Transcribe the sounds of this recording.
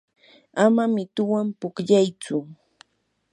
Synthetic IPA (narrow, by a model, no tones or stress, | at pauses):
amamɪt̪ʊwampʊkʎajt͡sʊ